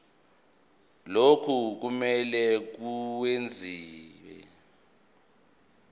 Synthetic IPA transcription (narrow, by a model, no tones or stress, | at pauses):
lokʰuk̬umɛlɛk̬uwend͡zʱiːwɛ̰